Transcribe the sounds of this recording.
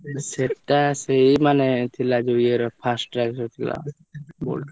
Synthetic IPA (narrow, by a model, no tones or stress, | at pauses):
seʈːaseimanet̪ʰilad͡ʒojeɾpʰasʈɾaksot̪ʰikla̰ | bo̰l